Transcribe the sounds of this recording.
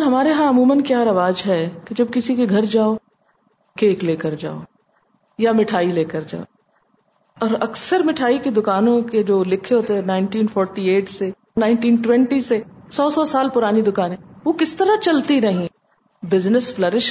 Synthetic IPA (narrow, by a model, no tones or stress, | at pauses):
ɦɐmaːɾeɦãɐmuːmənkjaːɾɐʋaːd͡ʒɦɛked͡ʒɐb̚kɪsikeɡʱɐɾd͡ʒaːo | keːkleːkəɾd͡ʒa̰ːo̰ː | jamɪʈʰaːileːkəɾd͡ʒa̰ːo | ɔːɾɐksəɾmɪʈʰaːiked̪ʊkaːnõked͡ʒoːlɪkʰeɦoːt̪eɦɛ̃naɪ̃nʈiːnfʰɔːɾʈieːʈse | naːɪɳʈiːnʈwɛ̃ɳʈisesɔːsɔsaːlpʊɾaːnid̪ʊkaːnɦɛʋoːkɪst̪ɐɾat͡ʃɐlt̪iɾɐɦĩ | bɪznəsflɐɾɪʃ